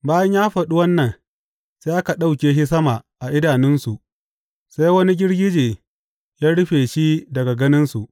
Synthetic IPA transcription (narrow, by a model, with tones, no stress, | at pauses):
baː˦jɐ˦ɲjaː˦ɸɐ˨ɗu˦wɐ˦nːɐ˨n | seː˦ʔa˦ka˨ɗa˦wkʲeː˨ʃi˦sɐ˦ma˨ʔa˨ʔɪ˦daː˨nɪ˦nsu˨ʔ | sa˦jwɐ˦ni˦ɡʲɪ˦ɽɡʲɪ˦d͡ʒeː˨ | jaː˦ɽʊ˦ɸeː˨ʃi˦dɐ˨ɡa˨ɡɐ˦nɪ˦nsu˨ʔ